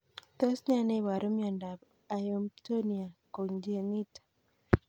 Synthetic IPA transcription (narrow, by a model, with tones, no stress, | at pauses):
t̪ɔ˦sɲa˦ne˦˨wa˨ɾo˦mjɔ˨nda˨b | a˨jo˨mto˦ni˨a˨ko˨ŋd͡ʒe˨ŋi˦tḁ˨